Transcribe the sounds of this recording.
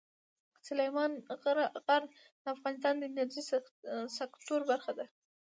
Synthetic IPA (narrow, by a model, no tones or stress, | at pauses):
sʊlajmɑnɾɣaɾn | d̪̥əafɣɑnɪs̬t̪ɑnd̪ənazisakt̪oɾbaɾxad̪a